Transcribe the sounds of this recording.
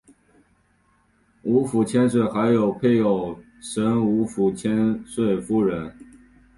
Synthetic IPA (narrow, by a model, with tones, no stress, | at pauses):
u˧˥fu˨˩t͡ɕʰjɛ˥ns̬we˥˩ɪxa˧˥ɪjo˨˩ʊpʰe˥˩ɪjo˨˩ʊ | ʂə˧˥nu˧˥fu˨˩t͡ɕʰjɛ˥nswe˥˩ɪfu˥˩ɻə˧˥n